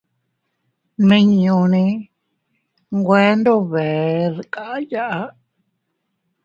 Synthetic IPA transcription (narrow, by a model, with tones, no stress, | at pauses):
nĩ˧ɲũ˧nĩ˧ | ŋɡʷe˦nd̪o˦βe˨ðkʼa˦ʔja˦ʔa˧˦